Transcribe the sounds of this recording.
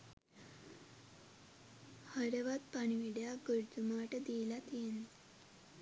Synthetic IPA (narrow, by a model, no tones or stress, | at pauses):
həɾəʋat̪paɳ̃iʋiɖjaɡəɾt̪əmaʈd̪ilat̪jen